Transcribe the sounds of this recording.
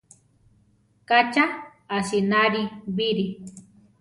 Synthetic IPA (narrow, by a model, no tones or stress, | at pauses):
kat͡ʃa | asinaɾibiɾi